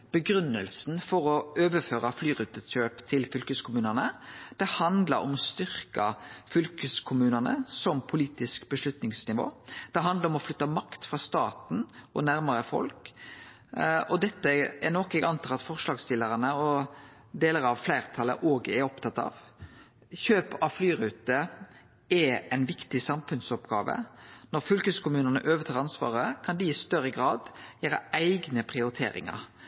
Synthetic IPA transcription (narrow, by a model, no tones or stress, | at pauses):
b̥əɡɾʉnːəlsn̩fɔɾɔøːʋəføːɾɑflyːɾʉːt̪əøːpt̪ʰɪlfʏlkəskʰʊmʉːnənəd̪̥ɛhɑnd̪lɑɾɔ̰mɔst̪ʏʁkɑfʏlkəskʰʊmʉːnənə̰sɔmpʰʊliːt̪ɪskbəʂlʉt̪nɪŋsnɪʋo̰ːd̪̥ɛɦɑnd̪əɾɔmɔflʏt̪ːɑmɑkt̪fʁɑːst̪ɑ̰ːt̪n̩ʔɔ̰næɾməɾəfɔ̰lk | ɔd̪ɛt̪ːəɛnɔkɛɡɑnt̪ʰɑːʁɑt̪fɔʁʂlɑːɡst̪ɪləʁənəɔ | d̪eːləɾɑʋflæɪʁt̪ʰɑlːə̰ʔoːɡɛɾɔpt̪ʰɑt̪ːɑ̰ːʋ | çøːpɑʋflyːɾʉːt̪ə | ɛæɪnʋɪkt̪ɪsɑmfʉnsɔpɡɑːʋə̰nɔɾfʏlkəskʊmʉːnənə̰ʔøːʋət̪ʰɑːʁɾɑnsʋɑ̰ːʁəkʰɑnd̪ɪɪst̪œɾːəɡɾɑːd̪jæːɾə̰æɪɡnəpʰʁɪʊɾɪt̪ʰḛːɾɪ̰ŋə̰ɾ